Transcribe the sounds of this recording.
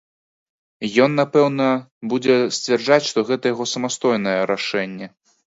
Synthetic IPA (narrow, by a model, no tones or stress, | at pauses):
jɔnːapɛwnɐbud͡zʲɛsʲt͡sʲvʲɛrʐat͡sʲʂt̪ɔɣɛt̪ɐjaɣɔsɐmast̪ɔjnɐjɛɾaʂɛnʲːɛ